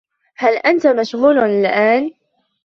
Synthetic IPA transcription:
halʔant̪amaʃɣuːlɪlʔaːn

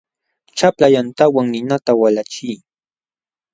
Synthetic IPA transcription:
t͡ʃaplajant̪awaŋnɪnat̪awalat͡ʃij

